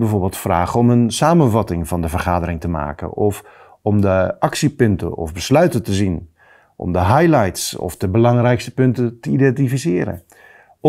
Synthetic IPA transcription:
bəvoːɹbɪːlˠtfra̰ːɣəɔmənsaːmənvɑtɪŋvɑndəvərχaːdərɪŋtəma̰ːkə̰nɔf | ɔmdəɑksipʏntə̰ɔ̰fbəslœɥtətəzin | ʔɔ̰mdəɦajlajtsɔ̰fdəbəlɑŋrɛjkstə̥pɵntətəidɛntifisɪːɾə̰

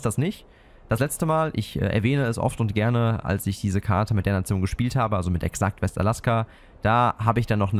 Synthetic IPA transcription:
sd̥asnɪç | d̥aslɛt͡stəmaːlʔɪ̰çʔɛ̰ːʔɛ̰ɐvɛːnəɛsʔɔ̰ftʊntɡ̥ɛɐnəʔa̰lsɪçd̥iːzəkʰaɐtʰəmɪtd̥eːɐnat͡sjoːnɡəʃpiːlthaːbəʔalzomɪtɛ̰ksak̚tv̥ɛsta̰laska | d̥aːɦaːbəɪçd̥anːɔχnə

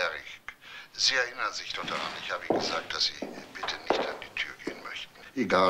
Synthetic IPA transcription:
ɛʁɪkz̥iːɛɐʔɪnɐnzɪçd̥ɔχd̥aʁa̰nɪçhaːbəiːnɡəzaːk̚td̥asz̥iːb̥ɪtʰənɪçtandiːtʰyːɐɡḛːənmœçtn̩ʔeɡaː

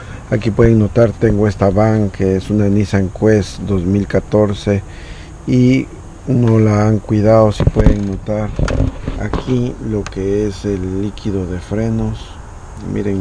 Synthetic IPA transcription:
akipweðeŋnot̪aɾt̪eŋɡoest̪aβaŋkeesunanisaeŋkwesd̪ozmilkat̪oɾse | i | unolaaŋkwiðaðosipweðeŋnot̪aɾa̰kʰilokeeselːikʰiðoðefɾenos | mḭɾeŋ

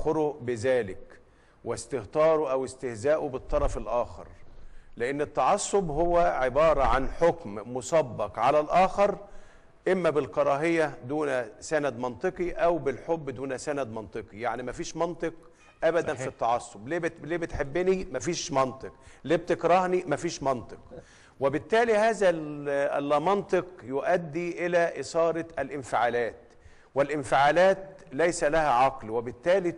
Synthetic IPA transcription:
xoɾoʔbɪzæːlɪk | wɪst̪ɪht̪ɑːɾˤoʔæwɪst̪ɪhzæːʔobet̪ˤːɑɾˤɑfelʔæːxɑ̰ɾˤleʔenːet̪ːɑʕɑsːobhowːæʕebɑːɾˤɑʕanħokmmosˤɑbːɑqʕalælʔæːxɑɾˤ | ʔemːæbɪlkɑɾˤɑːɦejæd̪uːnsænæd̪mɑnt̪ˤɨqiʔæwbɪlħobːd̪uːnæsænæd̪mɑnt̪ˤɨqijaʕnimæfiːʃmɑnt̪ˤɨq | ʔæbæd̪ænfit̪ːɑʕɑsːobleːbleːbɪt̪ħebːɪnimæfiːʃmɑnt̪ˤɨq̚leːb̚t̪ekɾˤɑhnimæfiːʃmɑnt̪ˤɨq | wɪbɪt̪ːæːlihæːzæ | lːɑmɑnt̪ˤɨqjoʔæd̪ːiʔɪlæʔɪsɑːɾɑælʔɪnfɪʕaːlæːt̪ | wɪlʔɪnfɪʕaːlæːt̪læjsælæhæʕɑqlwɪbɪt̪ːæːli

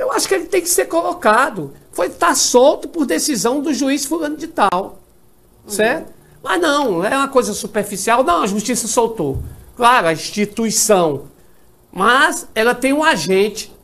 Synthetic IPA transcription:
ewaʃʊ̥kelɪt̪ẽj̃kɪ̥seɾkolokad̪ʊfojt̪asowt̪ʊpoɾd̪esizɐ̃w̃d̪ʊʒuisfulɐ̃nʊd͡ʒit̪aw | sɛɾt̪ʊ | mɐznɐ̃w̃ɛũmɐkojzɐsupeɾfisiawnɐ̃w̃ɐʒuʃt͡ʃisɐsowt̪oklaɾʊɐĩʃt͡ʃit̪uisɐ̃w̃ | mɐzɛlɐt̪ẽj̃ũaʒẽt͡ʃɪ̥

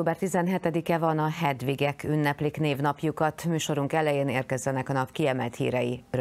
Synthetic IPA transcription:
oːbɛrt̪izɛnɦɛt̪ɛd̪ikɛvɒnɒɦɛd̪viɡɛkʰynːɛpliːkneːvnɒpjukɒt̪myːʃo̞ɾuŋkɛlɛjeːneːrkɛzːɛnɛkɒnɒpkiɛmɛlt̪hḭːɾɛjir

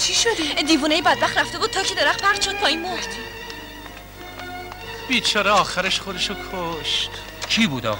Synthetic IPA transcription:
t͡ʃʰiʃod̪id̪iːvuːnejebæd̪̚bæχt̪ɾæft̪ebuːd̪̚t̪ʰɒːkʰed̪eɾæχpʰæɾt͡ʃʰod̪̚pʰɒːinmoɾd̪̥ | b̥iːt͡ʃʰɒːɾeɒːxæɾeʃxod̪eʃokʰoʃt̪ | cʰiːbuːd̪ɒ̰ː

